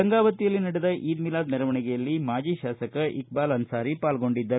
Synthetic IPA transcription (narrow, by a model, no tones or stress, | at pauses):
ɐŋɡaːʋɐt̪ijɐlːinɐɽɛd̪ɐʔʔiːd̪milaːd̪nɛɾɐʋɐɳɛɡɛjɐlːimaːd͡ʒiːʃaːsɐkɐʔik̚baːlɐnsaːɾipaːlɡo̞ɳɖid̪ːɐɾu